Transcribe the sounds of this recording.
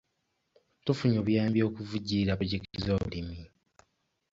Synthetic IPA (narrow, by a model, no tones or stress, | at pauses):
tufuɲoβujaːmbjo̞ːkuvuɟiɾaβoɟektizoːβulimi